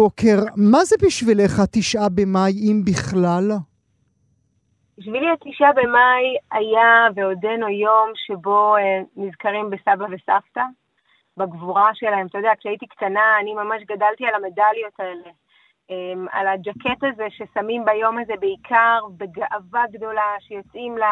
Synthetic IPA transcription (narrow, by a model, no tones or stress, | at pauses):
oke̞ʁmazebiʃvileχat̪iʃʔabemajimbiχlal | b̥iʃviliat̪iʃʔabemajajaveo̞denojo̞mʃe̞bo̞emizkaʁimbe̞sabave̞safta | baɡvuʁaʃe̞lahe̞mt̪ajd̪eakʃeajit̪ikt̪anaːnimamaʃɡadalt̪ialame̞daljo̞t̪ae̞le | ema̰lad͡ʒake̞t̪aze̞ʃe̞samimbajo̞maze̞be̞ikʰaʁbe̞ɡaʔavaɡdo̞laʃejo̞t͡simla